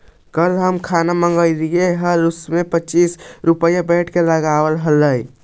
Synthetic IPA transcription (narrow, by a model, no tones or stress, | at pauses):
kəlɦəmkʰanaməŋɡəɪlijeɦəlusmepəːt͡ʃisɾupəjabəʈʰkeləɡawəlɦələj